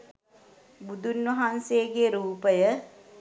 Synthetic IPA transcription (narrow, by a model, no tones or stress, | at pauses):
bud̪unʋəɦanseɡeɾuːpəjə